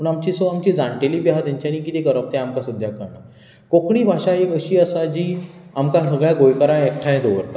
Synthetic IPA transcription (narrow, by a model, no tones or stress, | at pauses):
pəɳamt͡ɕisoamt͡ɕid͡zãɳʈelipjɦat̪jãɲt͡ɕaɽ̃ikit̪ekəɾaʋ̚t̪ẽamkasəd̪ʱjakaɾna | kokɽiːbʱaʂaekəɕiːəsad͡ʑiːamkãsəɡɭjaɡojkəɾãek̚ʈʰajẽd̪oʋəɾt̪a